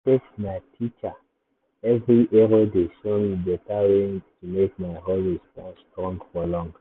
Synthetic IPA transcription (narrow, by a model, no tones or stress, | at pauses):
teksmaɪtʰit͡ʃa | ɛvɹiʔɛɹodeʃomibɛtawẽntʰumek̚maɪɦoistãnstɹɔ̃ŋɡfɔlɔ̃ŋɡ